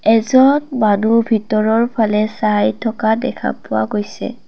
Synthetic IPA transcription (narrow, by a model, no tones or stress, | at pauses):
ɛzɔnmanubʱitɔɹɔɹpʰalɛsajtʰɔkadɛ̰kʰa̰pʊwa̰ɡojsɛ̰